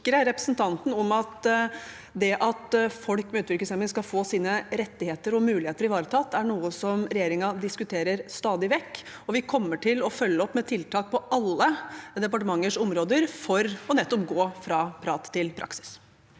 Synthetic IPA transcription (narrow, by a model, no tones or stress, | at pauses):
kɾəɾɛpɾəsnt̪ʰɑnt̪n̩ɔmɑt̪ | d̪ɛʔɑt̪fɔlkmɛʉːt̪ʋɪɾkəsɛmənskɑfoːsiːnəɾɛt̪ːɪheːt̪əɾɔmʉːlɪheːt̪əɾɪʋɑːɾət̪ʰɑt̪ʰːæɳuːəsɔmɾɛjeːɾɪŋɑd̪ɪskʉt̪ʰeːɾəɾst̪ɑːd̪ɪʋɛkː | ɔʋɪkʰɔmːəʈʰɪlɔfœlːəɔpːmɛt̪ʰɪlt̪ʰɑːk̚pʰɔʔɑlːəd̪ɛpɑʈəmɑŋːəʂɔmɾoːd̪əɾfɔɾɔnɛt̪ːɔpɡoːfɾɑpʰɾɑːt̪ʰːɪlpʰɾʔɑ̰ksɪ̥s